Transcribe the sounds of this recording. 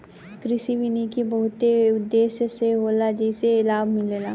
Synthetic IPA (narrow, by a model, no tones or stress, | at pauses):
kɾɪsiʋɪnikibɐɦʊt̪eʊd̪ːeːsjəseɦoːlad͡ʒɛɪselaːbmɪleːlaː